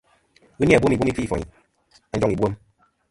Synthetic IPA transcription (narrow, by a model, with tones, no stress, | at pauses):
ɣu˦n˦˨bwo˦mi˨wmi˦fi˦˨fɔ̰˨ɲḭ˨ | a˨˦d͡ʒɔ˦ŋi˨bwo˦m